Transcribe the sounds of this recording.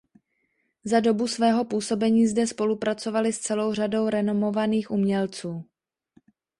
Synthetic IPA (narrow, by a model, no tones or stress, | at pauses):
zado̞busvɛːɦo̞puːso̞bɛɲiːzdɛspo̞lupɾat͡so̞valɪst͡sɛlo̞wr̝ado̞wɾɛno̞mo̞vaniːxʔumɲɛlt͡suː